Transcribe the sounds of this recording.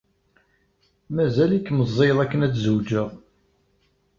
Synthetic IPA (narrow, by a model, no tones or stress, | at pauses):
mæzælikːməzˤːeðˤækːənæt͡sːzuwd͡ʒəʁ